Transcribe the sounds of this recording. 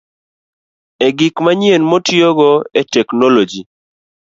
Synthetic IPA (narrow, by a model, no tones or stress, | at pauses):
ɛɡɪkmaɲenmotjoɡɔɛtɛknɔlod͡ʒi